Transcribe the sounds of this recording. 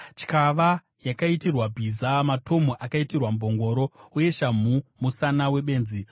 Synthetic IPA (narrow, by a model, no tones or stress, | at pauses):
t͡ʃi̥kaʋa | jakaitirwabʱizamato̞moʔakaitirwambʱo̞ŋɡo̞ːɾo̞uje̞ʃam̤umusanawe̞ɓe̞ːnzi